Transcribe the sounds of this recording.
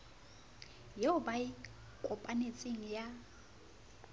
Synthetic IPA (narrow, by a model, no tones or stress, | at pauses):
jeʊbaɪ | kʼʊpʼanet͡sʼeŋ̩ja